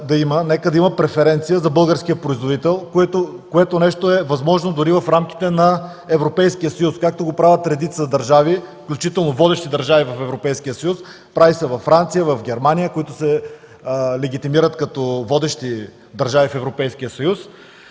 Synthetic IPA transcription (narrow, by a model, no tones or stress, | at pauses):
d̪ɐimənɛkəd̪ɐimɐpɾɛfɛɾɛnt̪sijəzɐbɤlˠɡəɾskijəpɾoizvod̪it̪ɛlˠkɛt̪okoɛt̪onɛʃt̪oɛvɐzmɔʒnod̪ʊɾivɐfɾamk̟i̥t̪ɛnɐ | ɛvɾopɛjskijəsəjuskak̚t̪oɡopɾavʲət̪ɾɛd̪it̪səd̪ɐɾʒavifklʲut͡ʃit̪ɛlˠnovɔd̪ɛʃt̪id̪ɐɾʒavivɐfɛvɾopɛjskijəsəjus | pɾavisɛvɐfːɾant̪sijəvɐfɡʲɛɾmanijəkoit̪ʊsɛ | lɛɡʲit̪imiɾət̪kɐt̪ɔvɔd̪ɛʃt̪i | d̪ɐɾʒavifɛvɾopɛjsk̟iəsɐjus